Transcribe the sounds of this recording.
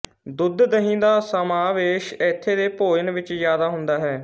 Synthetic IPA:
d̪ʊd̪d̪əɦĩːd̪aːsəmaːʋeːʃɪt̪ʰːeːd̪eːpoːd͡ʒənʋɪt͡ʃzjaːd̪aːɦʊnd̪aːɦɛː

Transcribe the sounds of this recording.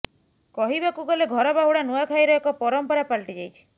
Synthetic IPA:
kɔɦibakuɡɔleɡʱɔɾɔbaɦuɽanuakʰajɾɔekɔpɔɾɔmpɔɾapaɭʈid͡ʒajt͡ʃʰi̥

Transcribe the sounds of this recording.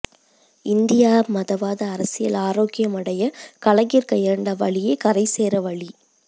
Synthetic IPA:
ɪnd̪ɪjaːmɐðɐʋaːðɐːɾɐsɪjɐlaːɾoːkɪjɐmɐɽɐjɐkɐɭɐɣiɾkɐjɐɾɳɖɐʋɐɭɪjekɐɾɐɪseːɾɐʋɐɭi

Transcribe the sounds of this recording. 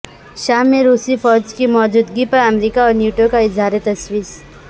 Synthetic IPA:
ʃaːmːẽɾuːsifɔːd͡ʒkimɔːd͡ʒuːd̪ɡipɐɾɐmɾiːkaɔːɾnjuːʈokaɪzʱaːɾet̪ɐswiːs

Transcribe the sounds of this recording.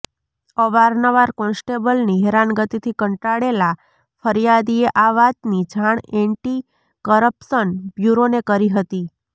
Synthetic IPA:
əʋaɾnəʋaɾkɔ̃nsʈebəlniɦeɾanɡət̪it̪ʰikəɳʈaɽela | fʰəɾijad̪ieʔaʋat̪nid͡ʒʱaɳ̃ɛɳʈi | kəɾəpsənbjuɾonekəɾiɦət̪i

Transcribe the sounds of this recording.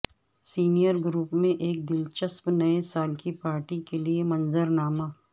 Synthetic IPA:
siːnijəɾɡɾuːpmẽʔeːk̚d̪ɪlt͡ʃəspnɐesaːlkipaːɾʈikeliemɐ̃nzəɾnaːmaː

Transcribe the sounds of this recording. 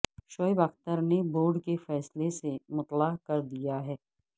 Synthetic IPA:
ʃɔːɪbɐxt̪əɾneboːɾɖkefɛːslesemʊt̪laːkɐɾd̪ijaɦɛː

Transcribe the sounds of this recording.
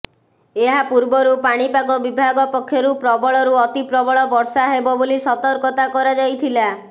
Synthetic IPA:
eɦapuɾbɔɾupaɽ̃ipaɡɔbibʱaɡɔpɔkʰːjɔɾupɾɔbɔɭɔɾuɔt̪ipɾɔbɔɭɔbɔɾsaɦebɔbolisɔt̪ɔɾkɔt̪akɔɾad͡ʒajt̪ʰila

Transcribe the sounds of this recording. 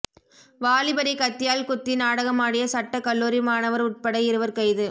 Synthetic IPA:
ʋaːlɪbɐɾikɐt̪ːɪjaːlkʊt̪ːɪnaːɽɐɣɐmaːɽɪjɐsɐʈːɐkɐɭːuːɾimaːnɐʋɐɾʊʈ̚pɐɽɐɪɪɾɯʋɐɾkɐɪðɯ

